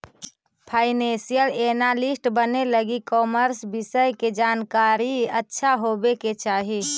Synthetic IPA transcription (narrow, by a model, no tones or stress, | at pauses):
pʰaɪnẽsijəlenalisʈbəneləɡikɔməɾsbisəjked͡ʒaːnkaɾiətːʃʰaɦobeket͡ʃaːɦi